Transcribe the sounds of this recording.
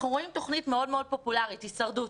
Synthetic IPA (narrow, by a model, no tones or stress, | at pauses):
χʁuimto̞χnitme̞o̞dmeo̞d̚po̞pulaʁitisɐʁdut